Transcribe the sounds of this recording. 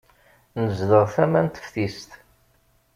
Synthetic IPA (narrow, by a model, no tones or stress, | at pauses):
nəzðəʁθæmænt̪ə̥fθist̪